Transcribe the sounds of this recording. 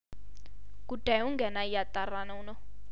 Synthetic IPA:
kud̥ʱajuŋɡɛnaijat̪ʼaranaunɔ

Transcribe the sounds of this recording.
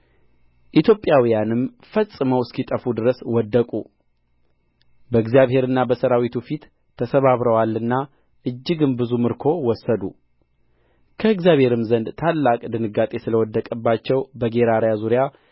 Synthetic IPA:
ʔit̪ʰjo̞pʼjawijanɨm | fəsʼɨməwskit̪ʼəfud̪ɨɾəswɔd̪ːəkʼu | bəɨɡzjaβhe̞ɾɨnːabəsəɾawit̪ʰufit̪ʰː | əsəβaβɾəwalːɨnːa | ʔɨd͡ʒːɪɡɨmbɨzumɨɾkʰo̞wɔsːəd̪ṵ | kʰəɨɡzjaβhe̞ɾɨmzənd̪t̪ʰalːakʼd̪ɨnɨɡat̪ʼe̞sɨləwɔd̪ːəkʼəbːat͡ʃːɛwbəɡe̞ɾaɾjazuɾija

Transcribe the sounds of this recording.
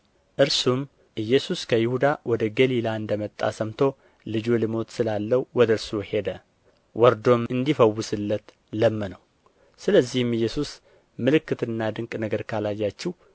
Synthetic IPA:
ʔɨɾsum | ʔɨjːɛsuskʰəjɪhud̪awʔɔd̪əɡəlilaɨnd̪əmət̪ʼːa̰səmt̪ʰo̞ | lɨd͡ʒolɨmo̞t̪sɨlalːəwuwɔd̪əɨɾsuhe̞d̪ə | wɔɾd̪o̞mɨnd̪ifəwːʊsɨlːət̪ | ləmːənəw | sɨləzːihɨmːɨjːɛsus | mɨlɨkːɨt̪ɨnːad̪ɨŋkʼnəɡəɾkʰalajːat͡ʃːɛh

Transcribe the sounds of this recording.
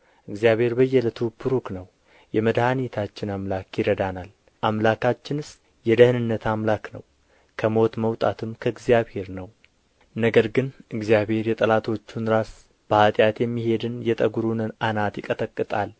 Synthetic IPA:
ʔɨɡzijaβhe̞ɾbəjːɛlət̪ʰɨpʰːɨɾuknəw | jɛməd̪hanit̪ʰat͡ʃːɪnamlakjɪɾəd̪anal | ʔamlakʰat͡ʃːɪnɨs | jɛd̪əhnɨnːət̪ʰamlaknəw | kʰəmo̞t̪məwt̪ʼat̪ʰɨmkʰəɨɡzijaβhe̞ɾnəw | nəɡəɾɡɨnʔɨɡzjaβhe̞ɾjɛt̪ʼəlat̪ʰo̞t͡ʃːunɾas | b̥əhat̪ʼjat̪jɛmːihe̞d̪ɨnjɛt̪ʼəɡuɾunɨnanat̪jɪkʼət̪əkʼːɨt̪ʼal

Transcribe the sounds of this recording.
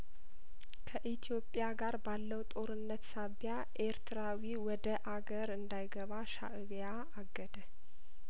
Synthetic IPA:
kʰəʔit̪ʰijo̞pʼjaɡaɾbalːəwt̪ʼo̞ɾɨnːət̪saβja | ʔeɾt̪ʰɨɾawiwɔd̪əʔaɡəɾɨnd̪ajɡəβaʃa̰ʔɨβja | aɡːəd̪ə

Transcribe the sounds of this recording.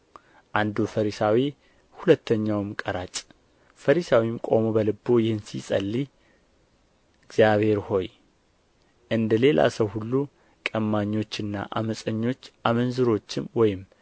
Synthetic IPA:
ʔand̪ufəɾisawi | hulət̪ːəɲːawmkʼəɾat͡ʃʼ | fəɾisawimkʼo̞mo̞bəlɨbːojɪhɨnsḭsʼə̰lːi | ɡzjaβhe̞ɾho̞j | ʔɨnd̪əle̞la̰səwhulːu | kʼəmːaɲːo̞t͡ʃːɨnːa̰ʔa̰məsʼəɲːo̞t͡ʃːʔamənzɨɾo̞t͡ʃːɪmwɔjɪm

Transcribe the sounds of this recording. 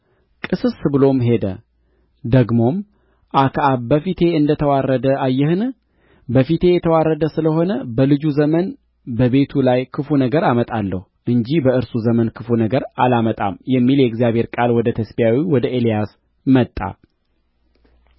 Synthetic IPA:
kʼɨsɨsbɨlo̞mɦe̞d̪ə̰ | d̪əɡmo̞m | ʔakʰaʔabəfit̪ʰe̞ɨnd̪ət̪ʰəwarːəd̪əʔajːɛhɨn | bəfit̪ʰe̞jɛt̪ʰəwarːəd̪əsɨləɦo̞nəbəlɨd͡ʒuzəmən | bəβe̞t̪ʰulajkʰɨfunəɡəɾamət̪ʼalːəh | ʔɨɲd͡ʒihbəɨɾsuzəmənkʰɨfunəɡəɾalamət̪ʼa̰mjɛmːiljɛɪɡzjaβhe̞ɾkʼalwɔd̪ət̪ʰəsbijawiwɔd̪əʔelijas | mət̪ʼːa̰

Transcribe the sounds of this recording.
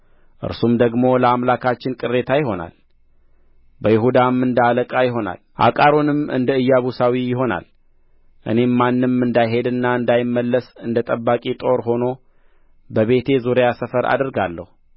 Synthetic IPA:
ʔɨ̰ɾsumd̪əɡmo̞ləamlakʰat͡ʃːɪnkʼɨrːe̞t̪ʰajɪɦo̞na̰l | bəjɪɦud̪amːɨnd̪aləkʼajɪɦo̞na̰lʔa̰kʼaɾo̞nɨmɨ̰nd̪əɨjːaβusawijɪɦo̞na̰l | ʔɨ̰ne̞mːanːɨmːɨnd̪ajɦe̞d̪ɨnːaɨnd̪ajɪmːəlːəsɨnd̪ət̪ʼəbːakʼit̪ʼo̞ɾɦo̞no̞ | bəβe̞t̪ʰe̞zuɾjasəfəɾa̰d̪ɾɡalːə̰hu

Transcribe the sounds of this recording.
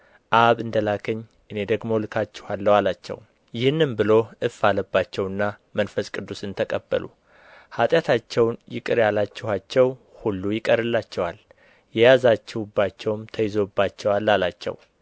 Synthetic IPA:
ʔaβɨnd̪əlakʰəɲː | ʔɨne̞d̪əɡmo̞lɨkʰat͡ʃːɛhalːəwalat͡ʃːɛ̰w | jɪhɨnːɨmbɨlo̞ʔɨfaləbːat͡ʃːɛwɨnːamənfəskʼɨd̪ːusɨnt̪ʰəkʼəbːə̰lṵ | hat̪ʼjat̪ʰat͡ʃːɛwnjɪkʼɨɾjalat͡ʃːɛhat͡ʃːɛwhulːujɪkʼəɾɨlːat͡ʃːɛwal | jɛjazat͡ʃːɛwubːat͡ʃːɛwmt̪ʰəjɪzo̞bːat͡ʃːɛwalːalat͡ʃːɛ̰w

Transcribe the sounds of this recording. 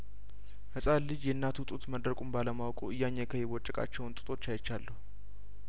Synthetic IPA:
hɨsʼallɨd͡ʒjɛɨnːat̪ʰut̪ʼut̪məd̪ɾəkʼumbaləmawkʼuɨjːaɲːekʰəjewɔt͡ʃʼːəkʼa̰t͡ʃːɛwnt̪ʼɨt̪ʼo̞t͡ʃːajt͡ʃːalːəhu

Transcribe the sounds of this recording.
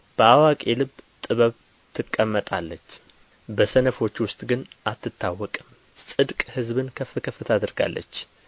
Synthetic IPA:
b̥əʔawakʼelɨbt̪ʼɨβəβ | t̪ʰɨkʼːəmːət̪ʼalːət͡ʃː | bəsənəfo̞t͡ʃːwʊst̪ʼɡɨnʔat̪ːɨt̪ʰːawːɔkʼɨm | sʼɨd̪kʼhɨzbɨnkʰəfɨkʰəfɨt̪ʰad̪ɨɾɡa̰lːə̰t͡ʃː

